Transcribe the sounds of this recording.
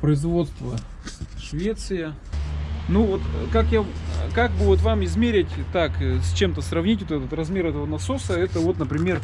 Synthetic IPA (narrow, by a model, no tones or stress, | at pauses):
pɾəɪzvo̞t̪st̪və | ʂvʲet̪sɨjə | nuvot̪kakjakak̚bɨvot̪vamɪzmʲeɾʲɪtʲt̪aksʲt͡ɕe̞mt̪əsrɐvnʲitʲvʲot̪ɛt̪ət̪rɐzmʲe̞ɾɛt̪əvənɐso̞səɛt̪əvo̞t̪nəpɾʲɪmʲe̞r